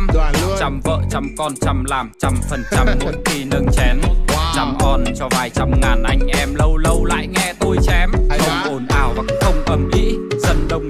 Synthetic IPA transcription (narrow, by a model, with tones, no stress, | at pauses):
t͡ɕa˧mvə̰ː˧˨t͡ɕa˧mkɔ˧nt͡ɕa˧mlaː˨˩mt͡ɕa˧mfə˨˩nt͡ɕa˧mnṵ˧˥ki˧nə˧ŋt͡ɕɛ˨˦nt͡ɕa˧mʔɔ˧nt͡ɕɔ˧vaː˨˩jt͡ɕa˧mŋaː˨˩nʔa˧jŋ̟ʔɛ˧mlə˧wlə˧wla̰ː˧˨jŋɛ˧t̪o˧jt͡ɕɛ˧mə˧ʔo˨˧˩nʔaː˨˩wɓa˦˥xə˧wŋ͡mʔə˨˩mʔḭ˧˥zə˧nɗə˨˩wŋ͡m